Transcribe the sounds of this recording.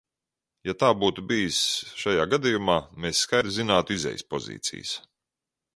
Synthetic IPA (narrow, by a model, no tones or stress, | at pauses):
jat̪aːbuːt̪ubijisʃajaːɡad̪ijumaːmeːsːkajd̪zinaːt̪uizɛ̰jspɔzḭːt̪sḭjs